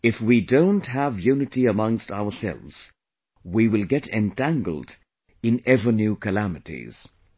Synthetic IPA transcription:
ɪfwidõʊ̃ntɦəvjʉnɨɾiəmʌ̃ŋstaʊə˞sɛ̰lˠvz̥ | wiwɪlˠɡɛɾɨ̃ntʰæ̃ŋɡl̩ˠd | ɨ̃nɛvə˞njʉkʰɨlæmɨɾḭz̥

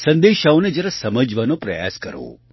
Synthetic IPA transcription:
sə̃nd̪eʃaoned͡ʒəɾəsəməd͡ʒʋanopɾɐ̰ja̰skəɾo̰ː

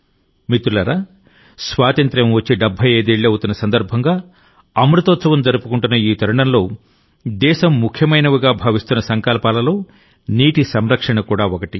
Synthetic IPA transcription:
mit̪ulɐɾaː | sʋaːt̪ɐnt̪ɾɐmʋɐt͡ʃːiɖɐbʱːɐjeːd̪iːɭːiɐwut̪unːɐsɐnd̪ɐɾbʱɐŋɡaː | ɐmɾut̪ɔːt̪sɐʋɐmd͡ʒɐɾupukuɳʈunːɐiːt̪ɐɾɐɳɐnlo̞ː | d̪ɛːʃɐmːukʰjɐmɐjnɐʋuɡaːbʱaːʋist̪unːɐsɐŋkaːlɐpaːlɐlo̞ː | niːʈisɐmɾɐkʂɐɳɐkuːɽaːokɐʈi

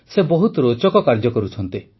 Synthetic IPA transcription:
sebɔɦut̪ɔɾot͡ʃɔkɔkaɾd͡ʒɔkɔɾut͡ʃʰɔnt̪i

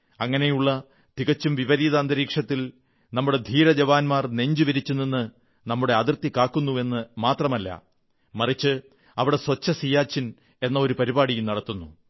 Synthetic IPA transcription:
ɐŋːɐne̞juɭːɐ | t̪iɣɐt͡ɕːumʋiʋɐɾiːðɐːnd̪ɐɾiːkʂɐt̪ːil | nɐmːuɽe̞d̪ʱiːɾɐd͡ʑɐʋaːnmaːrne̞ɲd͡ʑuʋɐɾit͡ɕːunːinːɨ | nɐmːuɽe̞ɐðirt̪ikːaːkːunːue̞nːɨmaːt̪rɐmɐlːɐ̰ | mɐrit͡ɕːɨ | ɐʋiɽe̞swɐt͡ɕːɐsijaːt͡ɕːin | e̞nːɐo̞ɾupɐɾibaːɽijumnɐɽɐt̪ːunːu

